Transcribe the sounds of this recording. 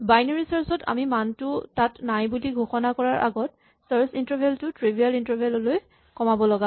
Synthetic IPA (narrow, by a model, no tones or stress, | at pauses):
bajnɔɹisaɹsɔtʰa̰mimantʊtatnajbuliɡʱoxɔnakɔɹaɹʔa̰ɡɔt̚ | saɹsintɔbʱeltʊtɹibʱialintɔɹbʱelɔloj | kɔmabɔlɔɡa